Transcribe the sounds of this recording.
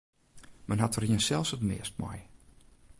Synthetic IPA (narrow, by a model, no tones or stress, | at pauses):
mɛnɦatəriənsɛlˠfsətmɪ̰ːəst̚mɔ̰j